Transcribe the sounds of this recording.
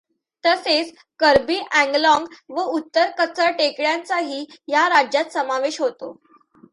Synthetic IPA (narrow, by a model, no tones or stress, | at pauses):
t̪əset͡s | kəɾbiːʔæ̃ŋɡlɔ̃ŋɡʋəut̪ːəɾkət͡səɭʈekɭjãnt͡saɦiːjaɾad͡ʑjat̪səmaʋeɕɦot̪o